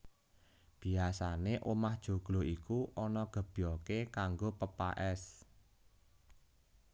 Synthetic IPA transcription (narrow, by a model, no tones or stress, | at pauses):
b̥i̤asaneʔomahd̥ʒ̥o̤ɡ̥lo̤ikuʔɔnɔɡ̥ə̤b̥jɔkekaŋɡopəpa̰ʔɛs